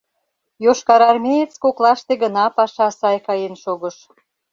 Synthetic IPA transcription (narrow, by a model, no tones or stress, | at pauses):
joʃkɑɾɑrmʲejet͡skoklɑʃt̪eɣə̆nɑpɑʃɑsɑjkɑjenʃoɣə̆ʃ